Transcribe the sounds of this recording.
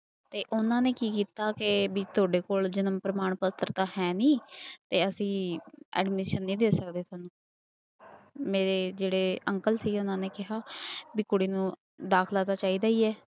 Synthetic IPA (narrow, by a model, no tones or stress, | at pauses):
t̪eːʔʊnãːneːkiːkiːt̪aːkɪbiːt̪ʰʊaːɖeːkoːld͡ʒənəmpɾəmaːɳpət̪ːɾt̪ãːhɛːnĩːt̪eːəsĩːɛ̰ːɖmɪʃənːĩːd̪eːsəkd̪eːʊaːnũː | meːɾeːd͡ʒeːɽeːəŋkəlsiːɡʊnãːneːkɪɦaːbiːkʊɽiːnũː | d̪aːkʰlaːd̪aːt͡ʃaːiːd̪aːiːɛː